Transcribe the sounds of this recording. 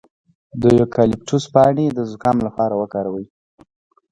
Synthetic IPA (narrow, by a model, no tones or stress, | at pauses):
d̪əjokʰɑlɪp̚ʈuspɑɳed̪əzʊkɑmlapɑɾawəkɑɾawəj